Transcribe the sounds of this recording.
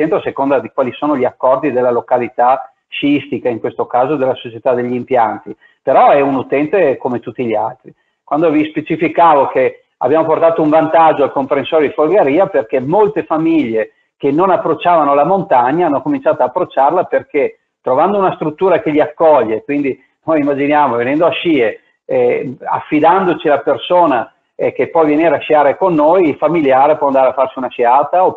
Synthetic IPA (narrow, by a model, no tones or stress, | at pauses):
ent̪ɾosekond̪ad̪ikwaːlisoːnoʎiakːɔrd̪id̪elːalokalit̪a | ʃist̪ikaiŋkwest̪okaːzod̪elːasot͡ʃet̪ad̪eʎːimpjant̪i | peɾɔɛunut̪ɛnt̪ekomet̪ut̪ːiʎia̰lt̪ɾi | kwand̪ovispet͡ʃifikaːvoke | a̰bjaːmoport̪aːt̪ouɱvant̪ad͡ʒːoalkompɾensoːɾed̪ifolɡeɾiːaperkemolt̪efamiʎːe | kenːonapːɾot͡ʃːaːvanolamont̪aɲːaanːokomint͡ʃaːt̪oaːpːɾot͡ʃːarlaperke | t̪ɾovand̪ounast̪ɾut̪ːuːɾakeʎiakːɔʎːekwind̪i | nojimːad͡ʒinjaːmovenɛnd̪oaʃiːe | a̰fːid̪and̪ot͡ʃialapersoːna | ekepːwɔvjeneːɾaʃiaːɾekonːojilfamiljaːɾepwɔand̪aɾeafːarsiunaʃiaːt̪ao